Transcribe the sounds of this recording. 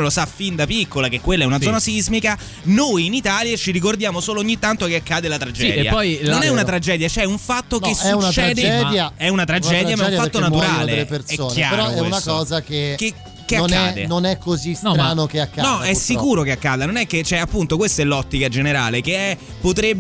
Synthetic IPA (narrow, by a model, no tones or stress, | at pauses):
losafind̪apikːolakekːwelːɛunad̪zɔnasizmika | nojinit̪aːljat͡ʃiɾikord̪jaːmosoːlooɲːit̪ːant̪okeakːaːd̪elat̪ɾad͡ʒɛ̰ːd̪ja̰pːɔjnlnonɛunat̪ɾad͡ʒɛːd̪jat͡ʃɛuɱfat̪ːokesːɛunt͡ʃɛːd̪eɛjaɛunat̪ɾad͡ʒd͡ʒɛːd̪jamadfat̪ːonat̪uɾaːleelepersɛoːknjea̰ːeɾɔɛunakɔːzakeke | kːeaknaɛːd̪ḛnonɛkːozisɾanokeakːanɔɛsːikuːɾokeakːaːd̪anonɛkːet͡ʃɛapːunt̪okwest̪oɛlːɔt̪ːikad͡ʒeneɾa̰ːlekeɛ | pːot̪ɾeb